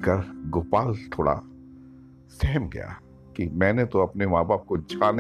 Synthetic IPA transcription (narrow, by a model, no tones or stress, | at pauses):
kɐɾɡʊpaːlt̪ʰoːɽa̰ | sɛɦmɡɐ̰ja̰ː | kimɛ̃ːnet̪oɐpnemaːbaːb̚kod͡ʒʱaːn